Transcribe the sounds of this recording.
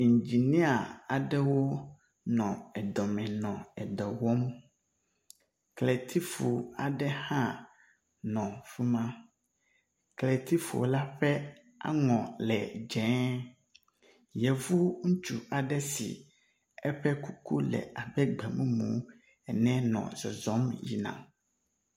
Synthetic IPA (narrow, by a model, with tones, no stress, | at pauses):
i˨ɲ˨d͡ʒi˨nĩ˦a˨a˨ɖɛ˦wo˦ | nɔ̃˨ɛ˨d̪ɔ˨mɛ̃˨nɔ̃˨ɛ˨d̪ɔ˨wɔ˦m˦ | klɛ˨t̪ʰi˦fu˨a˨ɖɛ˦hã˦ | nɔ̃˨fu˦mã˦ | klɛ˨t̪ʰi˦fu˨wo̰˦la˦ɸɛ˦ | a̰˦ŋɔ̃˨lɛ˨d͡ʒɛ̃˨˦ | jɛ˨vu˦ŋũ˦t͡ʃu˨a˨ɖɛ˦sḭ˨ | ɛ˦ɸɛ˦ku˦ku˦lɛ̰˨a˨bɛ˦ɡ͡bɛ˨mũ˦mṵ̃˨˦ | ɛ˨nɛ̃˦nɔ̰̃˨zɔ˨zɔ˨˦mjḭ˨nã̰˨m